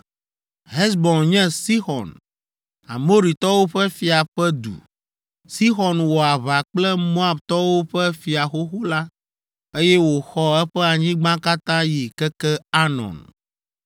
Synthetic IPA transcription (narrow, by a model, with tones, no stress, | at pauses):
ɦɛ˦sbɔ̃˨nɲɛ̃˦si˦xɔ̰˨n | a̰˨mo˦ɾi˨t̪ɔ˦wo˦ɸɛ˦fi˨a˨ɸɛ˦d̪ṵ˨ | si˦xɔ˨nwɔ˨a˨βa˨k͡plɛ˦mo˦a˦˨bt̪ɔ˦wo˦ɸɛ˦fi˨a˨xo˦xo˦la˦ | e˦jɛ˦wo˨xɔ˦ɛ˦ɸɛ˦a˨ɲĩ˦ɡ͡bã˦ka˦t̪ã˦ji˨kɛ˦kɛ˦a˦nɔ̰̃˨n